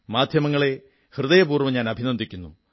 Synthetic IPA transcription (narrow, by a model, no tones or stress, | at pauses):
maːd̪ʱjɐmɐŋːɐɭe̞ | hrɨðɐjɐpuːrʋɐmɲaːnɐbʱinɐnd̪ʱikʲːunːu